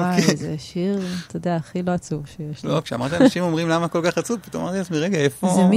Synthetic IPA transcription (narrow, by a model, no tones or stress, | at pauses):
azḛʃiʁt̪ʰod̪eaːχilo̞at͡suvʃejeʃlokʃeamaʁt̪ianaʃimomʁimlamakolkaχat͡supit̪oamaʁt̪iazmiʁeɡaefozemi